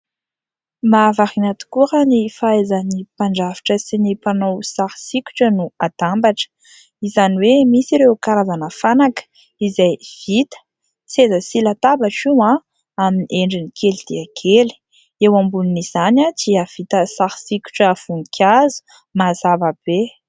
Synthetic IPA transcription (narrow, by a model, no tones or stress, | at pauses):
mavaɾinat̪u̥kuɾənifaezənipaɳɖ͡ʐavi̥ʈ͡ʂəsinipanowsaɾisikʲu̥ʈ͡ʂənuad̪̥ambaʈ͡ʂə̥ | izaniwemisiɾewkaɾazanəfanakə̥ | izajv̥it̪ə̥ | t͡siezəsilat̪abaʈ͡ʂiwã | aminiʔeɳɖ͡ʐinikʰelid̪̥iakʰeli̥ | ewambuluniz̥anat͡siav̥it̪əsaɾisiku̥ʈ͡ʂəv̥unikʲʰazu̥ | mazavab̥e